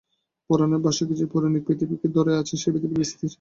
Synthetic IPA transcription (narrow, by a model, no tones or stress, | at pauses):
pɔɾaneɾbaʃad̪ed͡ʑepɔɾanik̚pɾit̪ʰipiked̪ɔɾeat͡ɕʰeʃebid̪ibbist̪iɾ